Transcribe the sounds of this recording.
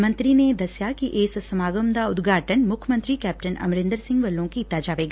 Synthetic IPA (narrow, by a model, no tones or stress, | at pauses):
mə̃nt̪ɾined̪ɐsjakiʔeːssɐmaːɡəmd̪aʊd̪ɡʱaːʈənmʊkʰjəmə̃nt̪ɾikɛːp̚ʈənɐ̰mɾɪ̃nd̪əɾsɪ̃ŋɡʋɐlːõkit̪ːad͡ʒaːʋeːɡaː